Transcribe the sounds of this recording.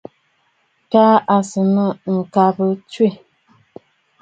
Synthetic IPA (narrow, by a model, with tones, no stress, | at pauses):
kaː˦a˨sə˨nə˦˨ŋ̩˨ka˦bə˦t͡ʃwe˦˨